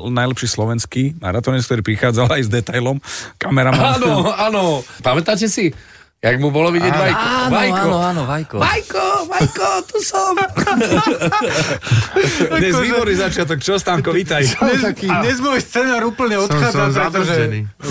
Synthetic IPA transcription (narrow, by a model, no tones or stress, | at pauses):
najlɛpʃiːslɔʋɛnskiːma̰ɾat̪ɔɲɛskt̪ɔɾiːpɾixaːd͡zalajzd̪ɛt̪ajlɔmkamɛɾamaanɔaːnɔpamɛt̪acɛsi | jaɡmubɔlɔʋiɟɪɛʋajɔajkaɔnɔaːnɔʋajkɔʋajkɔʋakɔt̪usɔm | d̪ɲɛzʋiːbɔɾnizat͡ʃɪat̪ɔkt͡ʃɔɔst̪aːŋkɔʋiːt̪ajkɲɛzbɔʋɛst͡sɛnaːɾupl̩ɲɛɔt̪xaaɾɛt̪ɔʒɛɛni